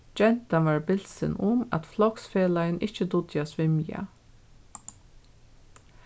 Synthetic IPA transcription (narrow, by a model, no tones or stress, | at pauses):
d͡ʒɛn̥t̪anʋaːɹbɪl̥sɪ̰nʊma̰t̪flɔksfeːlajɪnɪht͡ʃəd̪ʊt̪jasʋɪmja̰